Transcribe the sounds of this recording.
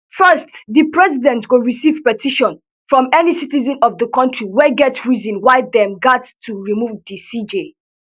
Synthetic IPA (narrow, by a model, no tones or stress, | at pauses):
fɜstðəpɹɛzidɛ̃ntsɡoɹisiv̥pɛtiʃɔ̃n | fɹɔ̃mɛnisitizɛ̃nɔvðəkɔ̃ntɹiwɛɡɛtsɹizĩnwaɪdɛ̃mɡatːuɹimuvdisid͡ʒe